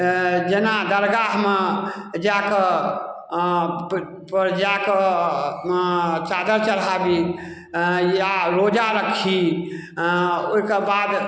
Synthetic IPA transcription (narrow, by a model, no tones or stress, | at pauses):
d͡ʒenad̪əɾɡaɦmed͡ʒakə | pəɾd͡ʒakə | t͡ʃad̪əɾt͡ʃəlabi | jaɾod͡ʒaɾəkʰi | oikebad̪